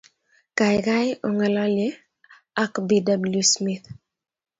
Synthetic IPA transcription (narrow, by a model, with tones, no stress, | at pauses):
ka˨ɪka˦jo˨ŋɛ˨lɔ˦le˦ | a˦kbi˦da˨bu˨ljusmi˦t̪